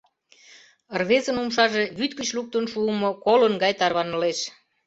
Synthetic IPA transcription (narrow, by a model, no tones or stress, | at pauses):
rβezənumʃɑʒeβyt̪kət͡ɕluk̚t̪ənʃuəmokolənɡɑjt̪ɑrβɑnəleʃ